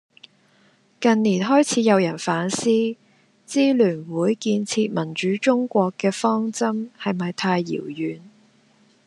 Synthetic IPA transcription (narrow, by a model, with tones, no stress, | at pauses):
kɐ˨nniː˨˩nɦɔː˥jt͡sʰiː˨˥jɐ˨˧wjɐ˨˩nfaː˨˥nsiː˥ | t͡siː˥lyː˨˩nwuː˨˥jkiː˧nt͡sʰiː˧t̚mɐ˨˩nt͡ʃyː˨˥t͡ʃʊ˥ŋkʷɔː˧kːɛː˧fɔː˥ŋt͡sɐ˥mhɐ˨jmɐ˨jt̪ʰaː˧jːḭː˨˩wjyː˨n